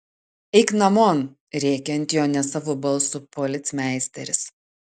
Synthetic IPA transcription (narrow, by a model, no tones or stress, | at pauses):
ɛɪknɐmoːn | ɾʲɛːkʲɛɐnʲt̪ʲjoːnʲɛsɑːʋoːbɐlˠˑsʊpɔlʲɪt̪sʲmʲæˑɪsʲt̪ʲɛɾʲɪs